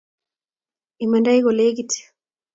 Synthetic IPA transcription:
imɛndaiɣɔleɡiti̥

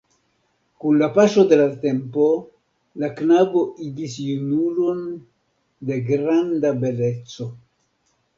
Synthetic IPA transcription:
kunlapaʃo̞de̞late̞mpo̞ | laknabo̞ʔiɡisjunulo̞n | de̞ɡɾandabe̞le̞t͡so̞

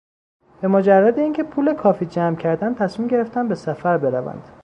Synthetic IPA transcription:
b̥e̞mod͡ʒærːæd̪eiːŋcʰe̞pʰuːlekʰɒːfiːd͡ʒæmcʰæɾd̪ænt̪ʰæsmiːmɟe̞ɾeft̪ænbe̞sæfæɾbe̞ɾævæ̰nd̪̥

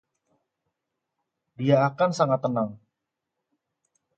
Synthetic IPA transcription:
diaːkansaŋat̪ːənaŋ

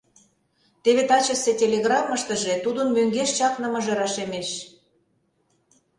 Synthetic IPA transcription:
t̪eβet̪ɑt͡ɕə̆setʲelʲeɣrɑmːəʃt̪ə̆ʒet̪ud̪ənmøŋɡeʃt͡ɕɑknə̆mə̆ʒeɾɑʃemeʃ

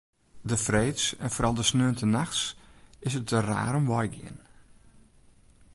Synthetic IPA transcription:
dəfreːtsɛ̰nfoɾɑlˠdəsnøːntənaxsɪsət̚əra̰ːɾɔmʋɔjɡɪ̰ən

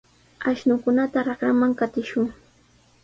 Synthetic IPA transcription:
aʃnʊkʊnat̪aɾakɾamaŋkat̪ɪʃʊŋ

